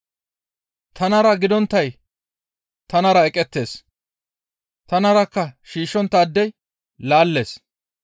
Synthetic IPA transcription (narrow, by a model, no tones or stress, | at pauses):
t̪ɐnɐɾɐɡɪd̪ɔnt̪ːɐj | t̪ɐnɐɾɐɛkʼːɛt̪ːe̞ːs | t̪ɐnɐɾɐkːɐʃiːʃːɔnt̪ːɐːd̪ːɛj | laːlːe̞̰ːs